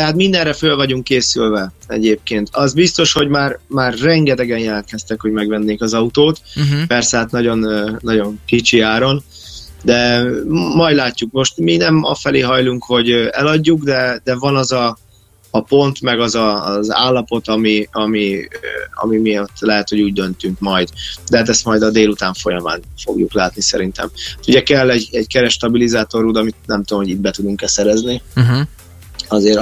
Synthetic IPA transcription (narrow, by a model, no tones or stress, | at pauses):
t̪ɛɦaːt̪mind̪ɛnrɛfølvɒɟuŋkːeːsylvɛɛ̰ɟeːp̚keːnt̪ɒzbist̪o̞ʃho̞ɟmaːrmaːrːɛŋɡɛt̪ɛɡɛnjɛlɛnt̪̚kɛst̪ɛkho̞ɟmɛɡvɛnːeːkɒzɒut̪oːt̪pɛrsɛat̪nɒɟo̞nːɒɟo̞ŋkit͡ʃiaːɾo̞n | d̪ɛ | mɒjd̪laːcːukmo̞ʃt̪minɛmɒ̰fɛleːɦɒjluŋkho̞ɟøɛlɒɟːuɡd̪ɛd̪ɛvɒnɒzɒː | po̞nt̪mɛɡɒzɒza̰ːlːɒpo̞t̪ɒmiɒmi | ɒ̰mimiot̪ːlɛɦɛt̪ho̞ɟuːɟ̚d̪ønt̪yŋkmɒjd̪d̪ɛɦaːt̪ɛst̪mɒjd̪ɒd̪eːlut̪aːɱfo̞jɒma̰ːnfo̞̰ɡjuklaːt̪nisɛ̰ɾint̪ɛ̰mt̪uɟɛkɛlːɛɟɛɟkɛɾɛʃːt̪ɒbilizaːt̪o̞ɾuːd̪ɒmit̪nɛmt̪ud̪omho̞ɟit̪̚bɛt̪ud̪uŋkɛsɛɾɛzni | ɒzeːɾ